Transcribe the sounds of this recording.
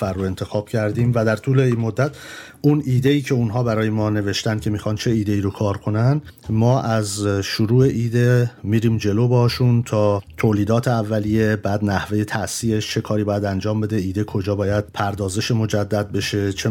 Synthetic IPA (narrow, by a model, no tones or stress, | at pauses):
fæɾːoe̞nt̪ʰe̞xɒːb̥̚cʰæɾd̪iːmvæd̪æɾt̪ʰuːle̞iːnmo̞d̪ːæt̪ʰ | uniːd̪e̞iːcʰe̞unɦɒːbæɾɒːjemɒːne̞veʃt̪ænd̪̚cʰe̞miːxɒːnt͡ʃʰe̞iːd̪e̞iːɾokʰɒːɾkʰo̞næn | mɒːʔæzʃuɾuːe̞ʔiːd̪emiːɾiːmd͡ʒe̞loːbɒʃunt̪ʰɒːt̪ʰoːliːd̪ɒːt̪ʰe̞ævːælije̞bæːd̪næhve̞je̞t̪ʰæsiːeʃt͡ʃʰe̞kʰɒːɾiːbɒːjæd̪ænd͡ʒɒːmbe̞d̪e̞iːd̪e̞kʰo̞d͡ʒɒːbɒːjæd̪̥̚pʰæɾd̪ɒːze̞ʃemo̞d͡ʒæd̪ːæd̪̚be̞ʃe̞t͡ʃʰe